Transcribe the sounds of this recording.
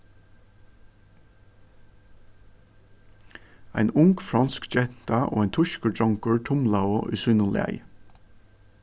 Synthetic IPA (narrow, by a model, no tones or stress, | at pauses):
æɪnʊŋɡ̥fɹɑnskd͡ʒɛt̪ɑʔo̰ːæɪnt̪ʰʊʃkəd͡ʒɑŋkəɹtʰʊmlɑoːʔʉsyːnəlɪ̰æ̰ɪ